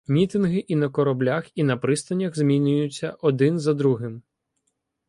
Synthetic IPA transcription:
mʲit̪ɪnɦɪʔinɐkɔɾɔblʲaxinɐpɾɪst̪ɐnʲːɐɣzmʲinʲʊjʊt͡sʲːɐʔɔd̪ɪnzɐd̪ɾuɦɪm

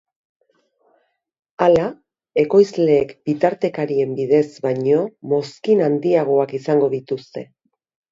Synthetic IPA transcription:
ala | e̞ko̞jzle̞ːkbit̪aɾt̪e̞kaɾie̞mbiðe̞zbaɲo̞mo̞skinand̪iaɣ̞o̞akisaŋɡo̞ðit̪ust̪e̞

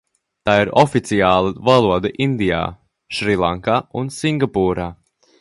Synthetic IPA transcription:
t̪aːiɾɔfit̪sijaːlˠəvalˠuɔd̪aʔind̪ija̰ː | ʃɾilˠaŋkaːunsiŋɡapuːɾaː

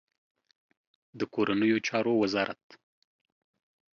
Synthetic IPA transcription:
d̪əkoɾanəjot͡ʃɑɾowazɑɾʔa̰t̪

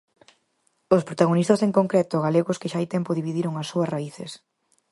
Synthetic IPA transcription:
ospɾot̪aɣ̞onist̪aseŋkoŋkɾɛt̪oɣaleɣoskɪʃaajt̪ɛmpoðiβiðiɾoŋɐsːuɐsraiθḛs

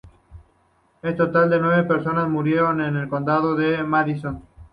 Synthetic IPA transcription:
est̪o̞t̪ald̪e̞nwe̞βepe̞ɾso̞nazmuɾje̞ɾone̞ne̞lko̞nd̪að̞oðemaðison

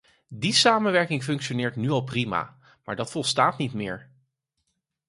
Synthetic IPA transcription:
disaːmənʋɛɹkɪŋfɵŋkʃonɪːɹtnyɑlˠprima̰ː | maːɹdɑtfɔlˠstaːtnitmɪːɹ

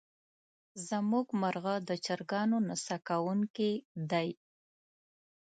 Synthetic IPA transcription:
zəmuɡmaɾɣad̪ət͡ʃaɾɡɑnonasakawuŋkid̪aj

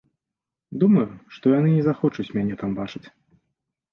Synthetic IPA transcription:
d̪umɐjuʂt̪ɔjanɨnʲɛzaxɔt͡ʂut͡sʲmʲanʲɛt̪ambat͡ʂɨt͡sʲ

